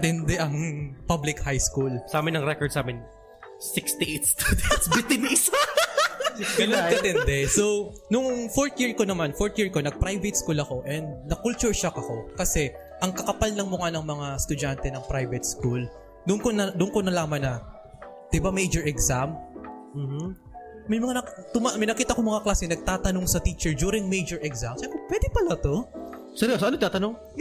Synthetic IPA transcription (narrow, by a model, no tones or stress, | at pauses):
t̪ɪnd̪ɛʔɐŋpablɪkhajskulsaːmɪnɐŋɾɛkɔɹd̪saːmɪn | sɪkst̪ɪʔet̪̚st̪ubɪt̪ɪnis | ɡɐnonkɐd̪ɛnd̪ɛso | nʊŋfoɹt̪jiɹko̞nɐmanfoɹt̪jiɹko̞nɐɡ̚pɾajvɛt̪̚skulɐko̞ʔɛnd̪̚nɐkʊlt͡ʃʊɹʃakɐko̞kɐsɛ | ʔɐŋkɐkɐpalnɐŋmʊŋanɐŋmɐŋast̪ʊd͡ʒant̪ɛnɐŋpɾajvɛt̪̚skul | d̪ʊnkonɐd̪ʊnkonɐlaːmɐnɐ | d̪̥ɪbamejd͡ʒɔɹɛksamm̩ːh̩ | mɐjmɐŋant̪ʊmamɪjnɐkiːt̪ɐkomɐŋaklaːsɪnɐɡ̚t̪aːt̪ɐno̞ŋsɐt̪iːt͡ʃɛɹd͡ʒuːɾɪŋmejd͡ʒɔɹɛɡzamʃɛmpɛpwɛd̪ɪpɐlat̪o̞ | sɛɾosɐnoɪt̪aːt̪ɐnoŋ